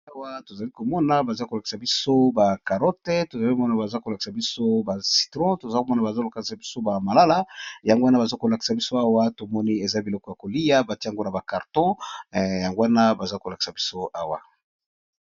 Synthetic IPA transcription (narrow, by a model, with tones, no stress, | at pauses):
a˦wa˦to˨za˨li˦ko˨mɔ˦na˦ba˨za˦ko˨la˨ki̥˨sa˨bi˦so˦ba˨ka˨ʁɔ˦te˦to˨za˨li˦kmɔ˦na˦˨ba˨za˦ko˨la˨ki̥˨sa˨bi˦so˦ba˨si̥˨tʁɔ̃˦to˨za˨˦ko˨mɔ˦na˨ba˨za˦lo˨ka˨i˨sa˨bi˦so˦ba˨ma˨la˦la˦ja˨ŋɡo˦a˦na˦ba˨za˦ko˨la˨ki̥˨sa˨bi˦so˦a˦wa˦to˨mɔ˦ni˦e˨za˦bi˨lɔ˦kɔ˨ja˨ko˨li˦ja˦ba˨ti˦a˨ŋɡo˦na˨ba˨ka˨ʁtɔ̃˦ja˨ŋɡo˦a˦na˦ba˨za˦ko˨la˨ki̥˨sa˨bi˦so˦ʔa˦wa̰˨